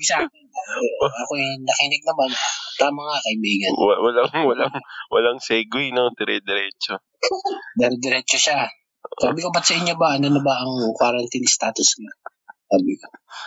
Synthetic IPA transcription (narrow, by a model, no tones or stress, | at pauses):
ɪsaːkɪnaʔɐkonɐkiːnɪɡ̚nɐmant̪aːmɐŋakɐʔɪbiːɡɐnwɐlaŋwɐlaŋwɐ̰laŋsɛːɡwinod̪ɛɾɛd̪ɛɾɛːt͡ʃo | d̪ɛɾɛd̪ɛɾɛt͡ʃoʃa | ʔaːbɪkobɐt̪̚sɐʔɪɲːo̞bɐʔɐnonɐbɐʔɐŋkwaɾɐnt̪inɪst̪aːt̪ʊsɲa | saːbɪko